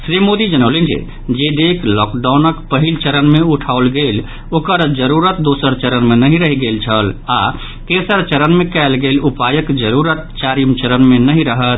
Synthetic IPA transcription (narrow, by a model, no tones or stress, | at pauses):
sɾimod̪id͡ʒənəwlend͡ʒḛ | d͡ʒed̪eklɔkɖawnəkpəɦilt͡ʃəɾənmeuʈʰaolɡel | okəɾd͡ʒəɾuɾət̪̚d̪osəɾt͡ʃəɾənmenəɦiɾəɦiɡelt͡ʃʰəla | kesəɾt͡ʃəɾənmekɛɪlɡelupajəkd͡ʒəɾuɾət̪̚t͡ʃaɾimt͡ʃəɾənmenəɦiɾəɦət̪̚ʰ